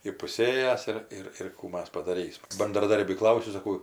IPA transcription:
ɪpʊˈsʲeːjæːs ɪr ˈɪr ɪr ˈkuː ˈmɐs pɐdɐˈrʲiːsmɐ bɐndrɐˈdɐrʲbʲiː ˈklˠɐʊsʲʊ sɐˈkɐʊ

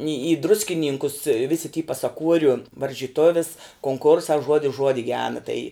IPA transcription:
ɪ ɪ drʊsʲkʲɪˈnʲiːŋkʊs ʋʲɪsʲɪ tʲiː pɐsɐˈkuɔrʲʊ ʋɐrʲʒʲiːˈtoːʋʲɪs koːŋˈkʊrsɑː ˈʒuɔdʲɪs ˈʒuɔdʲɪ ˈɡʲæːnɐ tɐɪ

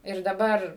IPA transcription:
ɪr dɐˈbɐr

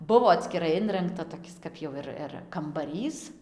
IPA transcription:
ˈbʊʋoː ɐtʲsʲkʲɪˈrɐɪ ˈɪnrɐŋktɐ toːˈkʲɪs kɐp ˈjɛʊ ɪr ɪr kɐmbɐˈrʲiːs

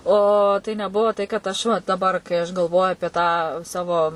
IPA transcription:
oː ˈtɐɪ nʲɛˈbuɔ tɐɪ kɐt ˈɐʃ ʋɐ dɐˈbɐr kɐɪ ɐʃ ɡɐlˠˈʋoːjʊ ɐpʲiɛ tɑː ˈsɑːʋoː

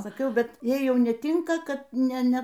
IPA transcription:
sɐˈkʲɛʊ ˈbʲɛt ˈjɛɪ ˈjɛʊ nʲɛˈtʲɪŋkɐ kɐt ˈnʲɛ ˈnʲɛ

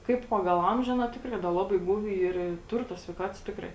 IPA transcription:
ˈkɐɪp ˈpɑːɡɐlˠ ˈɐmʲʒʲʊ ˈɑːˌnɐ ˈtʲɪkrɐɪ dɐ ˈlˠɑːbɐɪ ˈɡuːʋʲɪ ˈiːr ɪ ˈtʊr toːs sʲʋʲɛɪˈkɑːtoːs ˈtʲɪkrɐɪ

